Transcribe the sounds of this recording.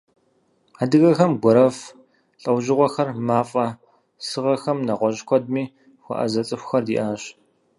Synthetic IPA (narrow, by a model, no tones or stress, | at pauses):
adɨɣɐxɐmɡʷɔɾɐf | ɬʼɐwʑɪʁʷɔxɐrmaːfʼɐ | sɨʁɐxɐmnɐʁʷɔʑkʷʰɔd̚miː | xʷɔ̰ʔɐ̰zɐt͡sʼɨxʷxɐrdḭːʔaːɕ